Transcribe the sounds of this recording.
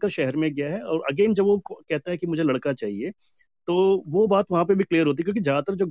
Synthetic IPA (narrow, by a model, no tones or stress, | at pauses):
kaʃɛɦɛɾmẽɡɪjaɦɛɔːɾɐ̰ɡeːnd͡ʒɐbʋokɛɦt̪aɦɛkimʊd͡ʒʱelɐɽkat͡ʃaːɦie | t̪oːʋobaːt̪ʋɐɦãp̬ebʱikliːəɾɦoːt̪̬iɛkjõːkid͡ʒat̪əɾd͡ʒoː